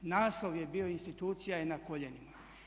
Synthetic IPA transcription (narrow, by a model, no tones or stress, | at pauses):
naːslˠo̞ʋjebio̞inst̪it̪uːt̪sijaenakoʎenima